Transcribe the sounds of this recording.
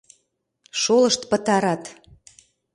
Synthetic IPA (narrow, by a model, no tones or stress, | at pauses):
ʃoləʃt̪pə̆t̪ɑɾɑt̪